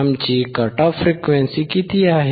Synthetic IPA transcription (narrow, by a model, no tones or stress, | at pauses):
mt͡ʃikɐʈafɾikʋɛ̃nsikit̪iaɦ